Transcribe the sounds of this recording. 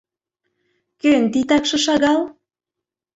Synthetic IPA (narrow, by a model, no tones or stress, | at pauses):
kønt̪it̪ɑkʃɤ̆ʃɑɣɑl